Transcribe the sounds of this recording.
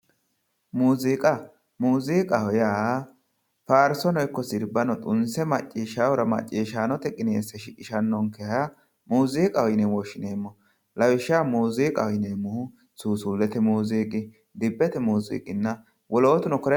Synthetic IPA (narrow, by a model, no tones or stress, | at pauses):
muːziːkʼɐ | muːziːkʼɐhɔjaː | faːɾsɔnɔjkːɔsɪɾbɐnɔt̪ʼʊnsɛmɐt͡ʃʼːiːʃaːwɔɾɐmɐ̰t͡ʃʼːiːʃaːnɔt̪ɛkʼɪneːsɛʃɪʔɪʃɐnːɔŋkɛhɐja | muːziːkʼɐwɔjnewɔʃɪneːmːɔ | lɐwɪʃːaːmuːziːkʼɐɔjneːmʊhʊ | suːsʊlːɛt̪ɛmuːziːkʼɪ | d̪ɪbːɛt̪ɛmuːzḭːkʼɪnːɐ | wɔloːt̪ʊnɔkɔɾ